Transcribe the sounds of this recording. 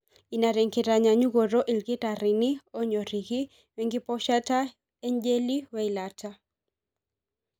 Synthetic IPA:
i˨na˨ɾe˨ŋkɪ˨ɾa˨ɲa˨ɲu˦ɡo˨ɾo˦ʔi˨lkɪ˦ta˨ɾɪ˨ni˦o˦ɲɔ˨ɾi˨kɪ˦ | we˨ŋɡɪ˦pɔʃa˦ta˦ | ɛ˦ɲd͡ʒe˦li˦wɛ˦i˨latʰa˦

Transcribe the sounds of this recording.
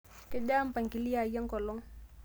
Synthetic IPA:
kɛ˦d͡ʒaː˦m˦pa˨ŋki˨li˦ja˨ja˦ŋkɔ˨lɔ˦ŋ

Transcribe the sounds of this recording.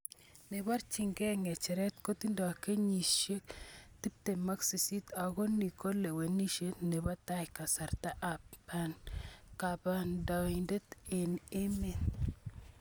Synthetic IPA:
ne˨βa˦ɾt͡ʃi˨ŋɡɛ˦ŋɛ˨t͡ʃɛ˨ɾɛ˦t̪ko˦t̪i˦ndo˨a˨ke˦ɲi˨ʃe˦kt̪i˦p̚te˨ma˦ksi˨si˦t̪a˨ɣo˦ni˨ko˦le˨we˨ni˦ʃe˦tne˨βa˦t̪a˦jka˨sa˨ɾta˦ʔa˨pa˦nka˨ba˨nda˨inde˦t̪ene˦me˦n

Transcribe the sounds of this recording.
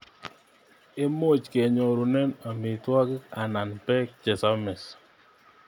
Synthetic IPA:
e˦mo˦˨t͡ʃke˨ɲɔ˨ɾo˨nɛ˦na˨mɪ˨twa˦kɪ˦a˨na˨npɛ˦k̚t͡ʃɛ˨sa˦mɛ˨s

